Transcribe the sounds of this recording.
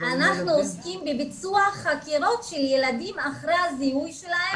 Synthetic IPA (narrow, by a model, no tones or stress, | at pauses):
anaχnuoskimbebit͡suaχakiʁo̞t̪ʃeljeladimaχʁejhazihujʃelahe